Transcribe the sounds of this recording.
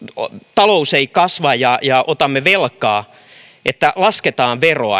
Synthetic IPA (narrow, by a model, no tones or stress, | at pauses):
t̪ɑlouseikɑsʋɑjjɑjɑʔot̪ɑmːeʋelkˑɑː | ʔet̪ːælɑsket̪ɑːʋʋeroɑ̰